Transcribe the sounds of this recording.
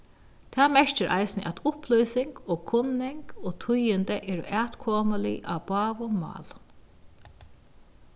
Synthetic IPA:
t̪ʰaːmɛɹ̥t͡ʃɪɾʔa̰jsnə̰ʔæt̪ʊplɔjsɪŋkɔːkʰʊnːɪŋkɔːt̪ʰʊjɪnt̪əʔɛːɾʊ̰ʔæːt̪kʰɔːmalɪ̰ʔa̰wbɑːʋʊmɑ̰ːl

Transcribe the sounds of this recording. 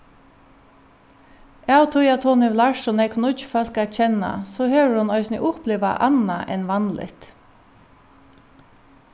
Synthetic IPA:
jɑːʊt̪ʰʊjɑt̪ʰoːnɪʋlɑɹʃɔnɛkʰʊnʊt͡ʃfœlkæc͡çɛnɑ̰soːhøːɹəɾʊnœʏsnɪ̰ʔʊpleːʋa̰ʔɑnɑʔɛnʋɑnlɪ̰t̪

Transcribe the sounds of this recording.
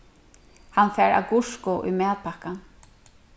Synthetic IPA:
hanfɛːɹa̰ɡʊʂkʊʔṵjmɛːt̪̚pʰahkan

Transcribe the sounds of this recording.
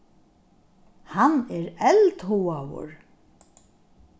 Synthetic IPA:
hanɛɾɛlt̪huwawʊ̰ɹ

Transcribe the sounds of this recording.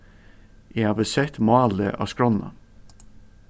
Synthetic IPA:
jeɪhɑːʋəsɛt̪mɑːləʔɑ̰ːskɹɔnɑ̰

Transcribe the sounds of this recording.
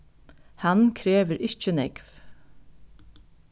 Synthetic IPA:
hankʰɾeːʋəɾʔɪht͡ʃənɛkv

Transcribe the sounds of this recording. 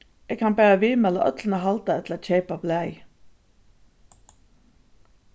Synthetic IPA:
ʔeːɡkʰɑnbæːʁəʋiːmɛlə̰ʔœt̪lnəhɑlt̪ɑɛt̪ʰləoːçeɪpɑblæɪ

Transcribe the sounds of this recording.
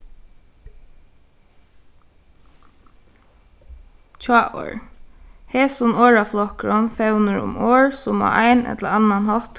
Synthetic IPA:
t͡ʃʰɑːʔo̰ɹ | hɛːsʊnoːɹaflɔkɹɔnfɛwnəɹʊ̰moːɹsʊma̰ʔajnɛ̰t̪ləɾanːanhɔt̪

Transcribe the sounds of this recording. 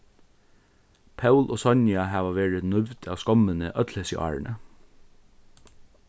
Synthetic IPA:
pʰɑʉlʔoːsɔɲjɑhɑːʋɑʋeːɹənʉʋd̪ɑːʋskɔmənəʔœt̪ʰləsə̰ʔɑ̰ːɹɳə̰

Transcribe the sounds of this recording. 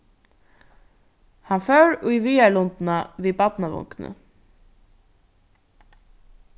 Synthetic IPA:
hɑnfœːɹʊjviːalʊnt̪naviːbat̪naʋʊ̰ŋknə̰

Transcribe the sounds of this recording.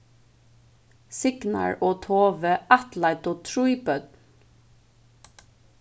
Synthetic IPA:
sɪɡ̥nɑ̰ɹoːt̪ʰoːʋəʔɑt̪lɑɪt̪oːt̪ʰɹuɪbœd̪n

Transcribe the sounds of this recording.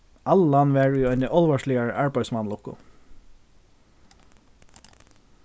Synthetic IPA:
allanːʋɛːɹiɔjnɪʔɔlʋaʂlɪaɹʔaɹpaj̪smanlʊhkʊ̰

